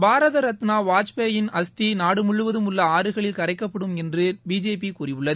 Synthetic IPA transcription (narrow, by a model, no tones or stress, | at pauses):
baːɾɐðɐɾɐt̪naːʋaːt͡ʃpeːjɪnɐst̪inaːɽɯmʊɭːɯʋɐðɯmʊlːɐaːɾɯɣɐɭɪlkɐɾɐɪkːɐpːɐɽɯmɛndrɯbiːd͡ʒeːp̬ikuːrɪʋɯɭːɐðɯ